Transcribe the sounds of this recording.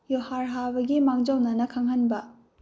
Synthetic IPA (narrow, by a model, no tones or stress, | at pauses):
johaɾɦabɐɡimaŋd͡ʒawnɐnɐkʰaŋhɐnbɐ